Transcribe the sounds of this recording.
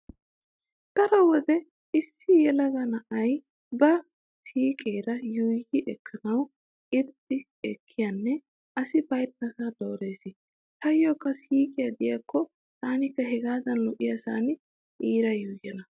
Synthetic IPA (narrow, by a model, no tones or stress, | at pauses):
d̪̥ɐɾɐwɔd̪ɛ | ɪsːɪjɛlɐɡɐnɐʔɐj | bɐ | siːkʼeːɾɐjɔjhɪʔɛkʰːɐnɐw | ɪd̪ | ɪ | ɛkʰːɪjanːɛ | ɐsɪbɐjt̪̚nɐsaːd̪oːɾeːsɪ | h̪ɐjːɔːkːɐsiːkʼɪjɐd̪ɪjakʰːɔ | t̪aːnɪkːɐɦɛɡaːd̪ɐnlɔʔɪjɐsaːnɪ | ʔiːɾɐjujɛnɐ